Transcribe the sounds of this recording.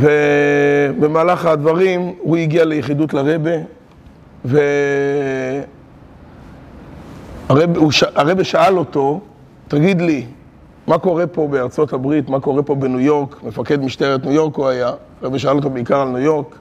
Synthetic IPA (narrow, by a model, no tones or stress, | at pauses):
ve | bemaːlaχad̪vaʁimhuiɡialejeχid̪utlaʁebe | ve | aʁebuʃaʔaʁe̞beʃaalo̞t̪o̞ | t̪aɡid̪li | mako̞ʁe̞po̞be̞aʁt͡so̞tabʁit̪mako̞ʁe̞po̞benujo̞ʁkme̞fake̞d̪miʃt̪eʁet̪nujo̞ʁkuaja | ʁebeʃaalo̞t̪̬obeikaʁalnujo̞ʁk